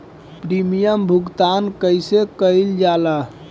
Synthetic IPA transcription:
pɾimijəmbʱuɡt̪ankəjsekəjld͡ʒalə

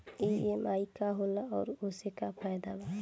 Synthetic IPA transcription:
eemajkaɦolaɔːɾosekapʰajd̪ala

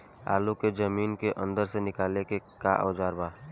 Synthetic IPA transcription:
a̰ːluked͡ʒəmiːnkeʔə̰̃nd̪əɾsenɪkaːlekekaʔə̰ːd͡ʒaːɾbaː

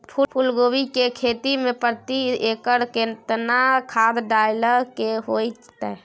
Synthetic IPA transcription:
pʰupʰulɡoʋikekʰet̪imẽpəɾt̪iekəɾket̪nakʰad̪ɖajləɾkeɦojt͡ʃt̪ɛ

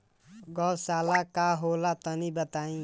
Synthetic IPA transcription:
ɡɔwsaːlakaɦolat̪ənibət̪aːĩ

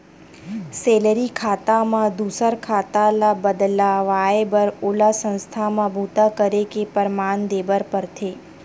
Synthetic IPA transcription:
seləɾikʰat̪amãd̪ʱusəɾkʰat̪alabəd̪laʋaebəɾolasə̃nst̪ʰamãbʱut̪akəɾekepəɾmand̪ebəɾpəɾt̪ʰe

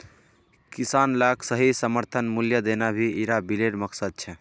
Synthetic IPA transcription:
kisanlaksəɦisəməɾt̪ʰənmuljəd̪enabʱiiɾabileɖməksəd̪̚t͡ʃʰɛ

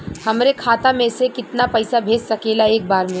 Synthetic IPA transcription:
hɐmɾekʰaːt̪amẽsekɪt̪napɐɪsabʱeːd͡ʒsɐkeːlaeːk̚baːɾmẽ

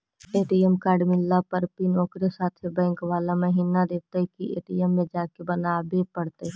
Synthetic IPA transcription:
eːʈiɛmkaːɾɖmɪlːapəɾpinɔːkɾesaːt̪ʰebɛ̃ːŋkʋaːlaməɦiːnad̪eːk̚t̪aɦɛkiḛːʈiɛmːẽd͡ʒaːkebɐnaːbepɐɽt̪eɦ

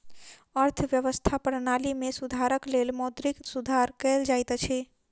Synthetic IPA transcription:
əɾt̪ʰəʋjəʋəst̪ʰapɾənalimesud̪ʱaɾəklelmɔd̪ɾiksud̪ʱaɾkɛld͡ʒajt̪t͡ʃʰɛ

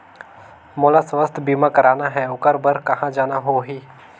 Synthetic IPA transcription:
moːlasʋəst̪ʰbiːmãkɐɾaːnaɦɛʊkəɾbəɾkɐɦãd͡ʒaːnaɦoɦiː

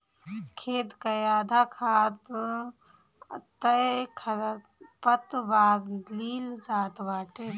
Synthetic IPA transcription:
kʰeːt̪kɐjaːd̪ʱaːkʰaːt̪ | t̪ɐjkʰɐ | pət̪baːd̪liːld͡ʒaːt̪ʋaːʈe

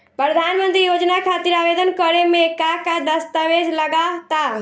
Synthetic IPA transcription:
pɾɾəd̪ʱaːnmə̃nt̪ɾijoːd͡ʒnakʰaːt̪ɪɾaːʋeːd̪ənkəɾemẽkakad̪ɐst̪əʋeːd͡ʒlɐɡat̪a

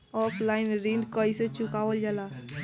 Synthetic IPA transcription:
ɔːpʰlaːɪnɾiːɳɖkɔiset͡ʃʊkaːʋəld͡ʒalaː

